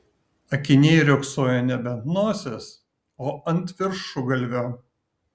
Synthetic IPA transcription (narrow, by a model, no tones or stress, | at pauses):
ɐkʲɪnʲeːɾʲoːksoːjɛnʲɛbʲɛnt̪noːsʲes | oːɐnʲˑt̪ʲʋʲɪɾʃʊɡɐlʲʋʲoː